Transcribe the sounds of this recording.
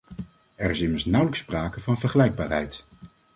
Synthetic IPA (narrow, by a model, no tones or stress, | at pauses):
ɛrɪsɪməɹsnʌwləkspraːkəvɑnvəɹχəlɛjɡ̚baːɹɦɛ̰jt